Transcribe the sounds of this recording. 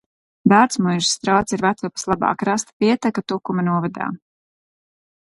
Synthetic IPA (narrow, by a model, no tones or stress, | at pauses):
d̪aɾt̪smujʒi̥st̪ɾawt̪siɾvat̪supḁslˠaba̰ːkɾast̪pʲiɛt̪akat̪ukumanuɔvad̪a̰ː